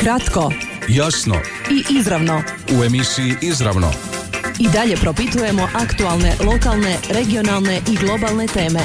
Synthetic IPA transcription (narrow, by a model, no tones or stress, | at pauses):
kɾat̪ko̞jasno̰ | iʔizɾaʋnoue̞misiiʔizɾa̰ʋno̰id̪aʎe̞pɾo̞pit̪uje̞mo̞ʔakt̪ualˠne̞lˠo̞kalˠne̞ɾe̞ɡio̞nalˠne̞ʔiɡlˠo̞balˠne̞t̪e̞ːme̞